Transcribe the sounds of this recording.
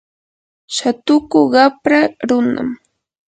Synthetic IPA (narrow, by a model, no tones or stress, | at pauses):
ʃat̪ʊkʊɢɑpɾaɾʊna̰m